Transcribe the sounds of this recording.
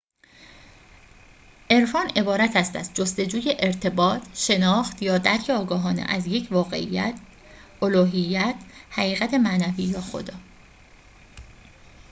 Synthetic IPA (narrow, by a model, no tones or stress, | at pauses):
ʔe̞ɾfɒːne̞bɒːɾæt̪ʰæst̪æ̰st̪̚d͡ʒost̪e̞d͡ʒuːje̞ʔeɾt̪ʰe̞bɒːt̪ʰʃe̞nɒːxt̪jɒːd̪æɾcʰeɒːɡɒːɦɒːnḛʔæ̰zjecʰvɒːɣe̞̰ʔḭjæ̰t̪ʰ | ʔoluːɦijːæt̪ʰhæɣiːɣæt̪ʰe̞mænæviːjɒːxo̞̰d̪ɒː